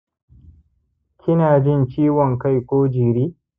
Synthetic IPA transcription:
kʲʰɪ˦naː˨d͡ʒɪ˦˨nt͡ʃiː˦wɔ˨ŋka˦˨jkʷoː˦d͡ʒiː˨ɾiː˦

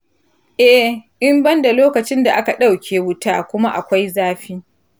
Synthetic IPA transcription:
ʔɛ˦ʔɪ˦mbɐ˦nda˨loː˦kɐ˨t͡ʃɪ˦nda˨ʔa˦ka˨ɗa˦˨wkʲʰeː˨wʊ˦taː˦kʷʊ˦ma˦ʔa˨kʷa˦jzaː˦ɸiː˦

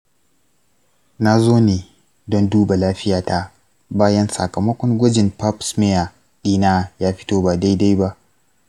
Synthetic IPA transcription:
naː˦zoː˦neː˨ | dɔ˦nduː˦ba˨laː˦ɸɪ˦jaː˨ta˦ | baː˦jɐ˦nsɐ̰˨kɐ˨mɐ˦kʷɔ˦ŋɡʷɐ˦d͡ʒɪ˨npa˦psmɛ˦ja˨ | ɗiː˦naː˦jaː˦ɸɪ̥˦toː˦ba˨da˦jda˦jba˦ʔ

